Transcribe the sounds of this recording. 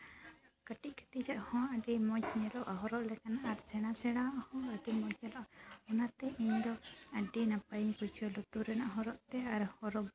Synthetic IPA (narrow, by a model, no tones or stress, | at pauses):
kəʈic̚ˀkə̥ʈid͡ʒaʔhɔ̃əɖimɔt͡ʃɲɛlɔʔaɦɔɾɔʔlɛkanaʔaɾsɛɽ̃asɛɽ̃aʔhɔ̃əɖimɔt͡ʃɛlɔʔanat̪ɛʔiɲd̪ɔəɖinapajiɲpusʰijɔlɔt̪uɾɛnaʔɦɔ̃ɾɔʔt̪ɛaɾhɔɾɔ